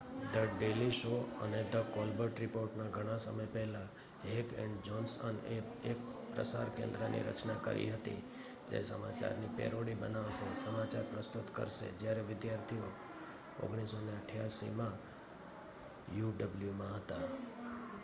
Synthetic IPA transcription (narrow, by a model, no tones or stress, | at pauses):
d̪əɖeliʃoəned̪əkolbəʈɾɪpoɾʈnaɡʱəɽ̃asəməjpɛɦla | ɦekɛ̰̃ɳɖd͡ʒɔnsəne | epɾə̰sa̰ɾkḛ̃nd̪ɾənʔḭɾə̰t͡ʃnakə̰ɾʔḭɦət̪ḭ | d͡ʒḛsəma̰t͡ʃa̰ɾnipḛɾoɽibənaʋʃesəmat͡ʃaɾpɾəst̪ut̪kə̰ɾʃḛd͡ʒjaɾeʋɪd̪jaɾt̪ʰio | o̰ɡɽ̃isoneəʈʰjasḭmã | juɖəbljumãɦət̪a